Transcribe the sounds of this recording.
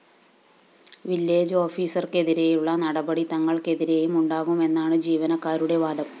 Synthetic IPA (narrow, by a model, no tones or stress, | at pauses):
ʋilːe̞ːd͡ʑo̞ːfiːsɐrke̞ðiɾe̞juɭːɐnɐɽɐbɐɽit̪ɐŋːɐɭke̞ðiɾe̞jumuɳɖaːɣume̞nːaːɳɨd͡ʑiːʋɐnɐkːaːɾuɽe̞ʋaːd̪ɐm